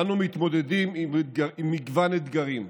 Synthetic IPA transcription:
anumit̪mo̞d̪ed̪imiɡaimːiɡvaned̪ɡaʁim

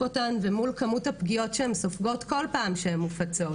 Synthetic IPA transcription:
otanvemulkɐmuthapɡijotʃeemsofɡo̞tko̞lpaːmʃeemːufat͡so

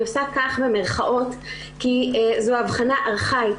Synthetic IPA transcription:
osakaχmemeʁχaʔo̞t | kizuavχanaʔaʁχaj

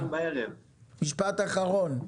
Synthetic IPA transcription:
baeʁev | miʃpat̪aχaʁon

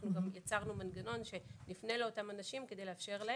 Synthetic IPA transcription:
nuɡamjat͡saʁnumanɡano̞nʃe̞lifne̞leo̞tamanaʃimke̞d̪ejleafʃe̞ʁla

